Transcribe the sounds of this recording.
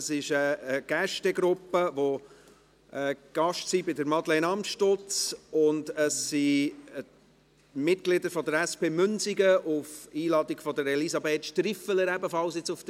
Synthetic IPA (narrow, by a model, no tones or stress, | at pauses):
əsɪʃəːɡ̥æʃtɛɡɾʊpːəvo | ɛɡ̥ɑʃtsibɪdəɾmɑdlɛnɑmʃtot͡sʊndəsːi | mɪtɡ̥lɪdəɾfɔdəɾɛspeːmʏnsiɡəʔufiːlɑːdiɡ̥fɔdəɾɛlizɑbeːtʃtɾifələɾæbəfɑlsɪt͡suft